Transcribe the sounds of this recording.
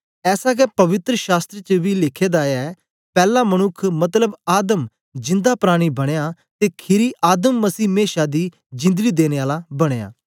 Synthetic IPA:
ɛːsaːkɛːpəʋɪt̪ɾəʃaːst̪ɾət͡ʃəʋiːlɪkʰeːd̪aːaɛː | pɛːlãːməñʊkʰmət̪ləbaːd̪əm | d͡ʒɪ̃nd̪aːpɾaːɽ̃iːbəɽ̃ejaː | t̪eːkʰɪɾiːʔaːd̪əmːəsiːmeːʃaːd̪iː | d͡ʒɪ̃nd̪əɡiːd̪eːneːaːlaːbəɽ̃eːa̰ː

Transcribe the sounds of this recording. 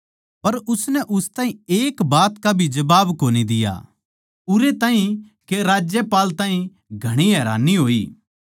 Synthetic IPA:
pɐɾʊsnɛʔʊst̪ãːɦĩeːkbaːt̪kabʱid͡ʒɐbaːbkoːnid̪ɪja̰ | ʊɾet̪ãːɦĩ | keɾaːd͡ʒjɛpaːlt̪ãːĩ | ɡʱɐɽ̃iɦɛːɾa̰ːnːiɦoːiː

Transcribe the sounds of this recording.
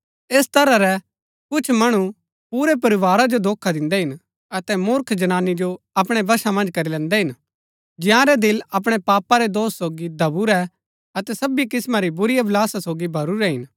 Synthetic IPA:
eːst̪ɐɾaɾɛ | kʊt͡ʃʰmɐɽ̃u | puːɾɛp̬ɐɾɪʋaːɾad͡ʒod̪oːkʰad̪ɪ̃nd̪ɛɦɪn | ɐt̪ɛmʊɾkʰd͡ʒɐñaːnːid͡ʒo | ɐpɽ̃ebɐʃamɐ̃nd͡ʒkɐɾilɛ̃ːnd̪ɛɦɪn | d͡ʒɪjãɾɛd̪ɪlɐp̬ɽ̃epaːpaɾɛd̪oːsːoːɡid̪ʱɐbuɾɛ | ɐt̪ɛsɐbikɪsmaɾibʊɾijablaːsasoːɡibʱɐɾuɾɛɦɪn

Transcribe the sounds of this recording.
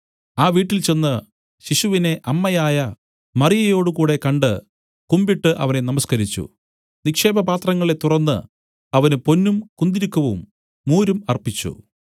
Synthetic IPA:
aːʋiːʈːilt͡ɕe̞nːɐ | ɕiɕuʋine̞ʔɐmːɐjaːjɐ | mɐrijɐjo̞ːɽukuːɽe̞kɐɳɖɨ | kumbiʈːɨʔɐ̰ʋɐne̞nɐmɐskɐɾit͡ɕːṵ | nikʂe̞ːbɐpaːt̪rɐŋːɐɭe̞t̪urɐnːɨ̰ | ɐʋɐnɨpo̞nːumkund̪iɾikːɐʋumː | uːɾumɐrpit͡ɕːṵ

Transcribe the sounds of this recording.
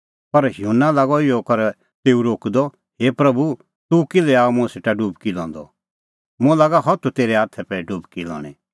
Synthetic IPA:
pɐɾjunːalaɡɔɪjɔkɐɾ | t̪eːuɾoːkd̪ɔ | ɦeːpɾɐbu | t̪ukɪlɛaːomũɛ̃seʈaɖubkilɔ̰̃ːnd̪ɔ̰ | mũɛlaːɡaɦɔt̪ʰut̪eːɾɛaːt̪ʰɛpɛɖuːbkilɔ̰ːɽ̃ɛ̰

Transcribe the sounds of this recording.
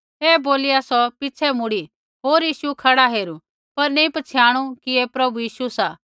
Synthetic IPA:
eːboːliaːsɔpɪt͡ʃʰɛmʊɽi | ɦoːɾjiːʃukʰɐɽaɦeːɾu | pɐɾneĩpɐt͡ʃʰjaːɽ̃ukiepɾɐbujiːʃusaː

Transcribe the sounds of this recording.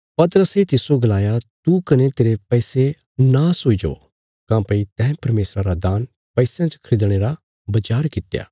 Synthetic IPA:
pɐt̪əɾəset̪ɪsoɡɐlaːjat̪ukɐnet̪eːɾepɛise | naːsoid͡ʒo̰ː | kãːpɐit̪ɛ̃ːpɐɾmeːsɾaɾad̪aːn | pɛɪsãt͡ʃkʰɾɪd̪ɽ̃eːɾa | bɐt͡ʃaːɾkɪʈːja̰ː

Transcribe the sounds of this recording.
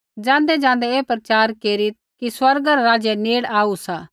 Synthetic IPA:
d͡ʒãːnd̪ɛd͡ʒãːn̆d̪ɛeːpɾɐt͡ʃaːɾkeːɾit̪̚ | kiswɐɾɡaɾaɾaːd͡ʒɛneːɽaːusaː

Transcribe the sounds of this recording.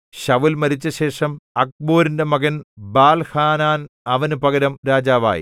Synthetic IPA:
ɕɐʋilmɐɾit͡ɕːɐɕe̞ːʂɐmɐk̚boːɾindemɐɣɐnbaːlhaːnaːnɐʋɐnupɐɣɐɾɐmɾaːd͡ʑaːʋa̰ːjḭ

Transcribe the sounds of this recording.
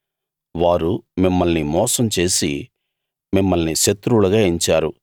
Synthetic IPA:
ʋaːɾumimːɐlnimɔːsɐmt͡ʃe̞ːsḭ | mimːɐlniʃɐt̪ːɾulɐɡaːiɲt͡ʃaːɾu

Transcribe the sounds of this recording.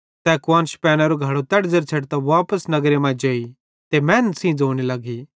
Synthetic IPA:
t̪ɛːkwaːnʃpɛːñaɾoɡʱɐɽot̪ɛɽd͡zəɾt͡ʃʰɐʈt̪aʋaːpəsnɐɡɾemãd͡ʒeːi | t̪emɛ̃ːnsĩd͡zoːɽ̃ilɐɡi

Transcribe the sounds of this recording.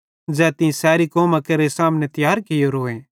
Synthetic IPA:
d͡zɛːt̪ɪ̃ĩsɛːɾikɔːmãkɐɾesaːmnet̪ɪjaːɾkɪjoɾoːẽː

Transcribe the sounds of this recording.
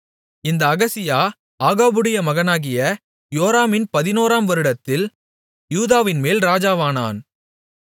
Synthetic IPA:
ɪnd̪ɐːɣɐsɪjaː | aːɣaːbɯɽɪjɐmɐɣɐnaːɣɪjɐ | joːɾaːmɪnpɐðɪnoːɾaːmʋɐɾɯɽɐt̪ːɪl | juːðaːʋɪnmeːlɾaːd͡ʒaːʋaːna̰ːn

